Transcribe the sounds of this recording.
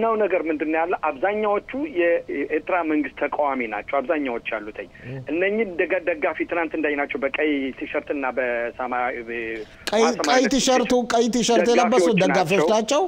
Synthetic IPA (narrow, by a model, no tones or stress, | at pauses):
nəwnəɡəɾmɨnd̪ɨnːjalːəʔaβzaɲːawot͡ʃːujɛʔeɾt̪ʰɨɾaməŋɡɨst̪ʰːəkʼawamina̰t͡ʃːɛwaβzaɲːawo̞t͡ʃːjalːut̪ʰəɲːʔɨnːəɲːɪmd̪əɡd̪əɡːafit̪ʰɨnant̪ɨnd̪ajnat͡ʃːɛwbəkʼəjt̪ʰɨʃəɾt̪ɨnːabəsm | kʼskəjt̪ʰɨʃəɾt̪ʰukʼəjt̪ʰɨʃəɾt̪jɛləbːəsud̪əɡːafioʃt̪at͡ʃːɛw